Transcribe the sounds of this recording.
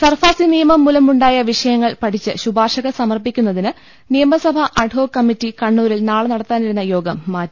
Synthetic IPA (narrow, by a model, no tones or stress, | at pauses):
sɐrfaːsinijɐmɐmːulɐmuɳɖaːjɐʋiʂɐjɐŋːɐɭpɐʈʰit͡ɕːɨɕubaːrʂɐɣɐsɐmɐrpikʲːunːɐðinɨ | nijɐmɐsɐbʱɐʔɐɖʱɦo̞ːkɐmitːikɐɳːuːɾilnaːɭɨnɐɽɐt̪ːaːniɾunːɐjo̞ːɡɐmːaː